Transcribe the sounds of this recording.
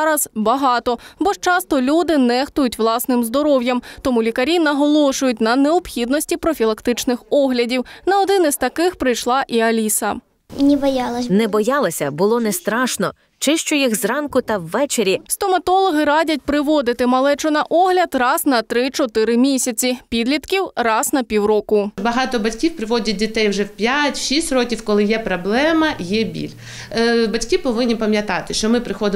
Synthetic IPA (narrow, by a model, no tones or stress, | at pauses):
ɾɐz̥bɐɦɑt̪ɔbɔʃt͡ʃɑst̪ɔlʲud̪ɪnɛxt̪ʊjʊtʲwlˠɑsnɪmzd̪ɔɾɔwjɐmt̪ɔmulʲikɐɾʲinɐɦɔlˠɔʃʊjʊtʲnɐneɔpxʲid̪nɔsʲtʲipɾɔfʲilˠɐkt̪ɪt͡ʃnɪxɔɦlʲɐdʲiwnɐɔd̪ɪnɪz̥t̪ɐkɪxpɾɪjʃlˠɑʔiɐlʲisɐ | nʲɛbɐjɑlˠɐnɛbɔjɑlˠɐsʲɐbʊlˠɔnɛst̪ɾɑʃnɔ | t͡ʃɪʃt͡ʃʊjixzrɑnkʊt̪ɐwːɛt͡ʃeɾʲist̪ɔmɐt̪ɔlˠɔɦɪɾɑdʲɐt̚ʲpɾɪʋɔd̪ɪt̪ɪmɐlˠɛt͡ʃɔnɐʔɔɦlʲɐd̪rɑz̥nɐt̪ɾɪt͡ʃɔt̪ɪɾɪmʲisʲɐt͡sʲipʲid̪lʲit̪kʲiwrɑznɐpʲiwɾɔkʊbɐɦɑt̪ɔbɐtʲkʲiwpɾɪʋɔdʲɐt̚ʲdʲit̪ɛjwʒɛwpʲjatʲʃisʲtʲrɔkʲiwkɔlˠɪjɛpɾɔblˠɛmɐjɛbʲḭlʲ | bɐtʲkʲɪpɔʋɪnʲːipɐmʲjɐt̪ɑt̪ɪʃt͡ʃɔmɪpɾɪxɔd̪ɪ